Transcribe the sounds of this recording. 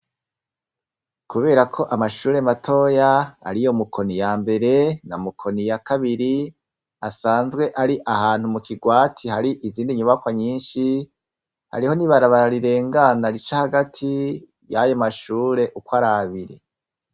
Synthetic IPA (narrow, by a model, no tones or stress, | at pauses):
kuβe̞ːɾakʰo̞ʔamaʃuːɾe̞matʰo̞ja̰ːɾijomukʰo̞nijaːmbe̞ɾe̞namukʰo̞nijakaβiɾi | asaːnzɡwe̞ʔaɾiʔaɦaːn̥humukʰiɡwaːtʰihaɾiʔiziːndiɲuβakwaɲiːnʃi | ha̰ɾiho̞niβaɾaβaɾaɾiɾe̞ːŋɡanaɾit͡ʃahaɡatʰi | jajomaʃuːɾe̞ʔukwaɾaβiɾḛ